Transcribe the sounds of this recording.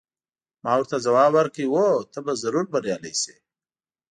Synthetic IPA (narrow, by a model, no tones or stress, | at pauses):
mɑwəɾt̪azawɑbwaɾkəiwot̪əbazaɾuɾbaɾjɑla̰jse̥